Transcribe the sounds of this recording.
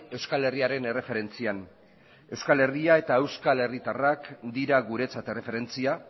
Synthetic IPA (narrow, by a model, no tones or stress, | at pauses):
e̞wskale̞riaɾe̞ne̞re̞fe̞ɾe̞nt͡sian | e̞wskale̞riae̞t̪ae̞wskale̞rit̪arakd̪iɾaɣuɾe̞t͡sat̪e̞re̞fe̞ɾe̞nt͡sia